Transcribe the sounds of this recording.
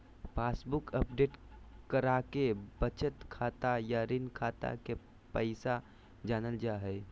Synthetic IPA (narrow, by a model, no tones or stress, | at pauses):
pʰaːsbukəp̚ɖeːʈkəɾakebət͡ʃət̪kʰaːt̪ajaɾɪnkʰaːt̪a̰ke | pəɪsa | d͡ʒaːnəld͡ʒaɦɛ